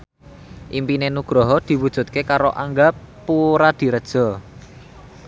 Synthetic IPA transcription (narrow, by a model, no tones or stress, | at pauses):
ʔimpinenuɡ̥ɾɔɦɔd̪̥i̤wud̥ʒ̥ṳt̪̚kekaɾoʔaŋɡapuɾad̪̥i̤ɾəd̥ʒ̥ɔ̤